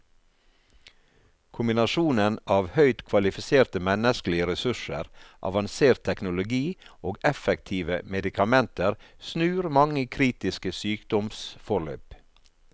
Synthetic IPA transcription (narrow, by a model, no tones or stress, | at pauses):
kʰʊmbɪnɑʃuːnənʔɑːʋhœʏt̪kʰʋɑlɪfɪseːɾt̪əmɛnəsklɪəɾɛsʉʂə̰ɾʔɑ̰ʋɑnseːɾt̪ʰɛknʊlʊɡiːoːɡɛfɛkt̪ʰiːʋəmɛd̪ɪkʰɑmɛnt̪ʰəɾsnʉːɾmɑŋəkʰɾiːt̪ɪskəsyːkd̪̥ɔmsfɔɭø̰ːp